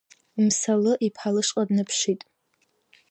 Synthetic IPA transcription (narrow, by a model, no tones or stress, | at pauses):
imsalɨʔipʰalɨʂqʼadnɨpʰʃitʼ